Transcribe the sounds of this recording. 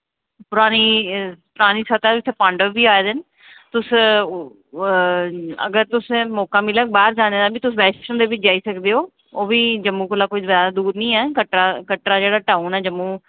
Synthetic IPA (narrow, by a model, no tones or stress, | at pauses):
pʊɾaːniːpʊɾaːniːsət̪ɛːbit̪ʰeːpãːɳɖəʋːiːaːeːd̪eːn | t̪ʊs | ə̰ɡəɾt̪ʊsmɔːkaːmɪlək̚baːɾd͡ʒaːneːd̪aːbiːt̪ʊsbɛːt͡ʃʃənd̪eːʋɪt͡ʃd͡ʒaːiːsəkd̪eːɦoː | oːʋiːd͡ʒəmːuːkʊlaːkoːizjaːd̪aːd̪uːɾnĩːɛːkəʈɾaːkəʈɾaːd͡ʒeːɽaːʈaːuːnɛːd͡ʒəmːũː